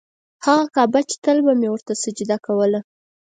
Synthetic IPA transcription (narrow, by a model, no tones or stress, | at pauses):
haɣakɑbat͡ʃe̥t̪əlbamewəɾt̪asəd͡ʒid̪akawəla